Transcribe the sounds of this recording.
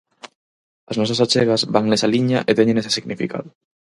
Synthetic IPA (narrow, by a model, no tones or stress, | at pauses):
ɐznɔs̬asat͡ʃeɣɐzβaŋnesaliɲɐʔet̪eɲẽŋese̥siɣnifḭka̰ðʊ